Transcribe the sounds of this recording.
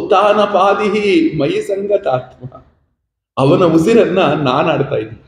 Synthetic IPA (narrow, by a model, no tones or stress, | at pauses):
t̪aːnɐpaːd̪iɦimɐjisɐŋɡɐt̪aːt̪mɐɐ | ɐʋɐnɐusiɾɐnːɐnaːnaːɽt̪aːjid̪ːi